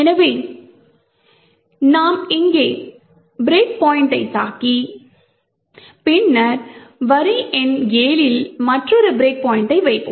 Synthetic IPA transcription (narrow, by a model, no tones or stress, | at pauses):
ɛnɐʋeː | naːmɪŋɡeː | bɾeːk̚poːjɪɳʈɐɪtaːki | pɪnːɐɾʋɐɾiʔɛnɡeːlɪlmɐʈrɔɾɯbɪɾeːk̚poːjɪɳʈɐɪʋɐɪpːɯ